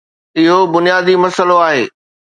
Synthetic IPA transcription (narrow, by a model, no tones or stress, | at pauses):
ɪɦobʊnijaːd̪imɐsəloaːɦeː